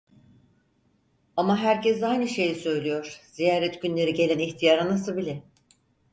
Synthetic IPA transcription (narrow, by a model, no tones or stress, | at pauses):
amaɦæɾcɛs̬ajnɯʃe̞jisø̞jlʲijo̞ɾ̥z̥ijaːɾɛt̪ɟynlʲe̞ɾiɟe̞lʲæniçt̪ʰijaɾanasɯbilʲɛ